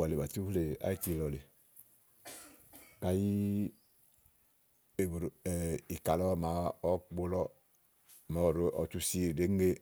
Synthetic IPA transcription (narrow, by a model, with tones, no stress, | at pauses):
a˨le˨ba˨tu˦hle˨a̰˦i˦ti˦lɔ˨le˨ | ka˨ji˦ | e˨bɾɛ˨i˨ka˨lɔ˦˨ma˨˦ɔ˦ɡ͡bo˦lɔ˦˨ | mɔ˨˦˨ɾo˦ʔɔ˨t͡ʃu˦si˦˨de˦ŋ˦ɡe˦